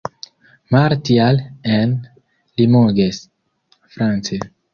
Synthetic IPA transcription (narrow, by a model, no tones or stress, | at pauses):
maɾtialen | limoɡes | fɾant͡se